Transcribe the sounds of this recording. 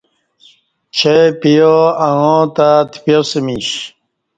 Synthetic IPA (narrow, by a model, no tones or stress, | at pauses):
t͡ɕʰepijoaŋõt̪at̪ipjosemiɕ